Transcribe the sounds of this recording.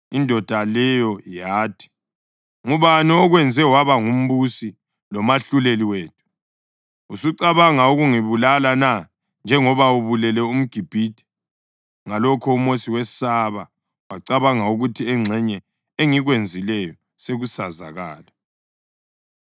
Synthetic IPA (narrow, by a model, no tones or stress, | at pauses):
indʱɔd̥ʱalɛjɔjaːtʰi̥ | ŋuβaniɔɣwɛnd͡zʱɛwaβaŋum̩βusi | lɔmaɬuleliweːt̚ʰu̥ | usuǀaβaŋauɣuŋiβulalana | nd͡ʒʱɛŋɔβauβulɛlɛum̩ɡ̥ʱib̥ʱiːd̥ʱɛ̥ | ŋalɔkʰɔumosiwɛsaβa | waǀaβaŋauɣutʰiɛŋ͡ǀʱɛɲɛ | eŋiɣwend͡zʱilɛjɔ | seɣusaza̰ɣa̰ːla